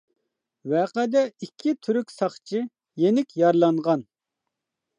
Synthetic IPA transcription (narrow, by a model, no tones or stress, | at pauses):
wɛːqɛd̪ɛikʲʰːit̪ʰyɾykʲsɑχt͡ʃʰi | jenɪkʲjɑɾlˠɑɴʁɑn